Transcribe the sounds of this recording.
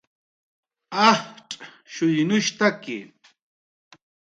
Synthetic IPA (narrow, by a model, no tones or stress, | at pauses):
ahʈ͡ʂʼ | ʃʊjnʊʃt̪akɪ̰